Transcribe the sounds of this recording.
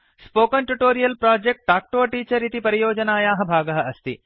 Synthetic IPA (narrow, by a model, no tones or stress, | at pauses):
spoːkɐnʈuʈoːɾijɐlpɾaːd͡ʒek̚ʈ̚ʈaːk̚ʈoːɐʈiːt͡ʃɐɾit̪ipɐɾijoːd͡ʒɐnaːjaːɦɐ̆bʱaːɡɐɦɐɐst̪ḭ